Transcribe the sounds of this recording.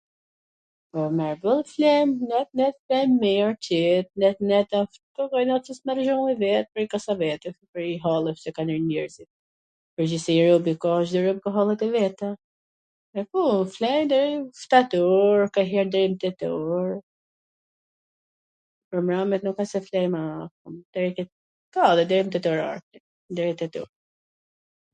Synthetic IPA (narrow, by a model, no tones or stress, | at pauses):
pɔmɛɹbəlˠflɛmnɛt̪̚nɛt̪fɛmːiɔɾt͡ʃɛt̪̚nɛt̪nɛt̪afkɔkajnɔt̪t͡sismaɾʒɔŋɛvɛt̪̚pəɾikasavɛt̪ɛpəɾiɦɔlˠɛfsɛkaniɾnɛɹzit̪̚ | pəɾd͡ʑisɛɛɾɔbikɔʃ̬d̪ɛɾɔb̚kaɦɔlˠɛt̪ɛvɛt̪a | ɛkuflɛjnd̪ɛɾift̪at̪ɔɾkaɦɛɾd̪ɛɾimt̪ɛt̪ɔɾ | pɾɔmɾamɛt̪nukasɛflɛjmakumd̪̥ɛɾikɛ | kaðɛd̪ɛɾimt̪ɛt̪ɔɾa̰ɾti | nd̪ɛɾɛt̪ɛt̪ɔ̰ɾ